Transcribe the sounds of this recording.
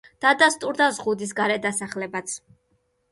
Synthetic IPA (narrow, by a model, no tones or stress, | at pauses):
d̪̥ad̪ast̪ʼuɾd̪azʁud̪is̬ɡaɾɛd̪asaχlɛbat̪sʰ